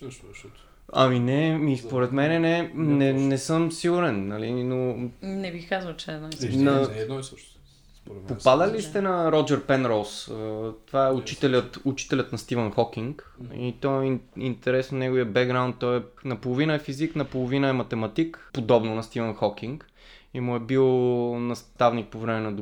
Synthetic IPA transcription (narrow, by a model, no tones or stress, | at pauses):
ɐ̰minɛmispoɾɛt̪mɛnɛnɛnɛnɛsɤmsiɡuɾɛnːɐlinonɛbixkazəlt͡ʃɛːd̪nasnɐ | poppad̪əlist̪ɛnɐɾɔd͡ʒɛɾpɛnɾɔsət̪ovaɛʊt͡ʃit̪ɛlʲət̪ʊt͡ʃi̥t̪ɛlʲət̪nɐst̪ivənxɔkiŋk | it̪ɔɛiint̪ɛɾɛsnonɛɡoʊviəbɛɡɡɾaʊwnt̪̚t̪ːɔɛnɐpolˠovinəɛfiziknɐpolˠovinəɛmɐt̪ɛmɐt̪ikpod̪ɔbnʊnɐst̪ivənxɔkiŋk | imuɛbilˠnɐst̪avnik̚povɾɛmɛnɐd̪